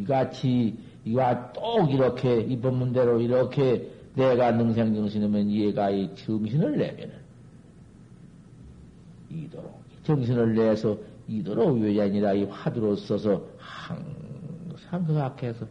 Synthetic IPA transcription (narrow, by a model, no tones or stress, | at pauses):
iɡat͡ɕʰi | iwat͈oɡiɾʌkʰeibʌmːunde̞ɾoiɾʌkʰe | neɡanɯŋs̬ʰeŋd͡ʑʌŋɕ̬ʰinɯmjʌnieɡait͡ɕɯŋɕʰinɯɭːḛmjʌnɯn | idoɾo | it͡ɕɯŋɕʰinɯɭːesʰʌidoɾoieɾaɲiɾaiɸaduɾos͈ʌsʰʌhaŋ | saŋkɯɡakʰesʰʌ